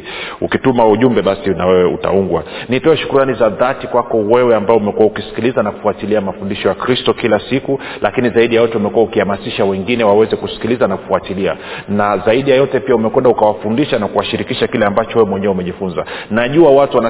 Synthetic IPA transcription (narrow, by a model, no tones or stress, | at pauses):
ukitumauʄumbɛɓasinawɛwɛṵta̰uŋɡwanitɔɛʃu̥kuɾuanizaðatikwakɔwɛwɛambaɔumɛkuwaukisi̥kilizanaku̥fuatiliamafundiʃɔjakɾistɔkilasiku | lʔakinizaiɗijajɔtɛumɛkuwaukihamasiʃawɛŋɡinɛwawɛzɛkusi̥kilizanaku̥fuatilia̰nazaiɗijajɔtɛpiaumɛkwɛndaukawafundiʃanakuwaʃiɾikiʃakilɛambat͡ʃɔwɛwɛmwɛɲɛɛumɛʄifunza̰naʄuawatuwana